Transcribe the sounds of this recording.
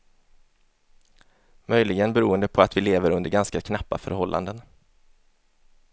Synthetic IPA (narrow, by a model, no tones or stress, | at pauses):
mœjlɪɡənbɛɾuːənd̪əpʰɔat̪vɪleːvəɾɵnd̪əɾɡanskakʰnapːa̰fœ̰ɾhɔlːʔa̰nd̪ən